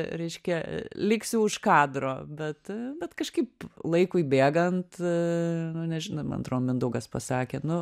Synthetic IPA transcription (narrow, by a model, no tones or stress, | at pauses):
ɾʲɛɪʃʲkʲɛlʲɪksʲjuʊʃkɑːd̪ɾoːbʲɛt̪bʲɛt̪kɐʃkɐɪplˠɐɪkʊɪbʲeːɡɐnt̪ | nʊnʲɛʒʲɪnɐmɐ̰nt̪roːmʲɪnd̪ʊɡɐspɐsɑːkʲeːnʊ